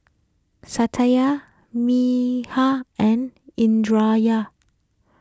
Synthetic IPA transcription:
satʰaja | mihaɛ̃nĩndɹaja

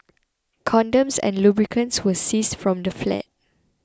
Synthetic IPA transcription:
kʰɔ̃ndə̃msɛ̰̃nlubɹikʰə̃nswəsisfɹɔ̃mdəflɛ̰t̚

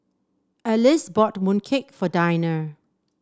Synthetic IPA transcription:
əlɪsbɔtmũnkʰɪkfɔdajnə

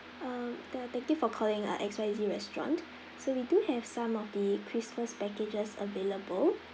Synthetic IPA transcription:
amdtɛk̚tikfɔkʰɔlɪ̃ŋə̰ʔɛksalitiɹɛstɹɔ̰̃nt | sowiduhɛv̥sãmɔfdəkʰɹisməspɛked͡ʒəsə̰veləbəl

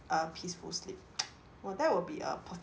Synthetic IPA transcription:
ʔəpʰisfṵlslḭp̚ | wɛld̪ɛt̚wɪlbiə̰pʰə

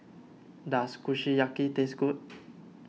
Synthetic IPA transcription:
daskuʃijakit̪esɡut̚

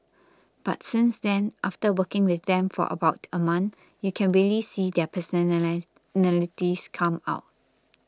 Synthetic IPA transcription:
b̥a̰tsɪ̃nsdɛ̃nʔaftəwəkɪ̃ŋwɪθdɛ̃mfɔ̰ʔə̰baʊtʰəmãnθ | jukʰɛ̃nɹiəlisidɛpʰəs | nɛlitiskʰãma̰ʊt̚

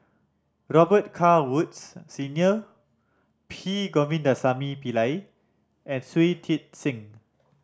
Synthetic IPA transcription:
ɹɔbət̚kʰawut̚ssinjə | pʰiɡɔvĩndasamipilaj | ɛ̃nswitʰit̚sĩŋ

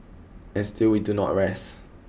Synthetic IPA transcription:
ɛ̃nstilwidunɔ̰ʔɹɛs

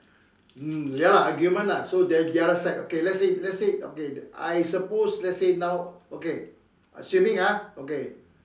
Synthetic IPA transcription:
m̩jalaɦaɡjumə̃nlasodɛdialəsɛtokelɛtsit̚lɛtsit̚o̰kea̰jsəposlɛtsenãwoke | a̰sumɪ̃ŋaoke

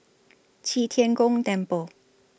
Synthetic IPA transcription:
t͡ɕʰit̪ʰjɛnkʊŋt̪ɛnpo

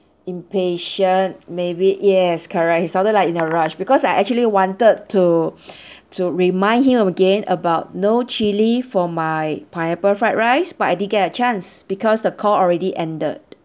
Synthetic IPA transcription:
ĩmpeʃə̃ntmebijɛskʰəɹɛk̚hisãʊntədlaɪkĩnəɹaʃbikɔsajʔɛk̚t͡ʃuəliwɔ̃ntəd̚tʰu | tʰuɹimãɪ̃ndhĩmɔ̃məɡẽnəbaʊt̚not͡ʃilifɔmaɪpʰãj̃ə̃pəfat̚ɹaɪsbat̚ajdidnɡɛt̚ət͡ʃãnsb̥ikɔsdəkʰɔɔlɹɛdiʔɛ̃ndə̰d̚

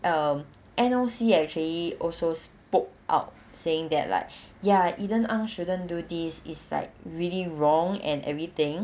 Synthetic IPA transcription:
ʔʌm | ʔɛ̃nəlsiɛk̚t͡ʃuəliʔɔlsospok̚ʔa̰ʊt̚ | seɪ̃ŋd̪ɛ̰t̚la̰ɪk̚ | jaʔidə̃nãŋʃudə̃ndudisisla̰ɪk̚ɹiliɹɔ̃ŋɛ̰̃nɛ̰vɹit̪ɪ̃ŋ

